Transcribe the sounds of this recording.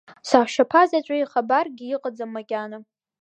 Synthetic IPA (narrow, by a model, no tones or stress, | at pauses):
saːʃapʰazat͡ɕʷʼaiχabarɡʲɪiqʼad͡zamːakʲʼana